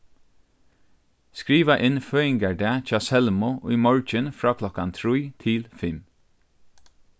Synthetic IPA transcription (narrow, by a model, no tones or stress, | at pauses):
skɹiːʋaʔɪnføːɪŋkaɹdɛːt͡ʃɑːsɛlmʊʔʊ̰jmɔɹt͡ʃənfɾaːkʰlɔkant̪ʰɾujt̪ʰɪlfɪm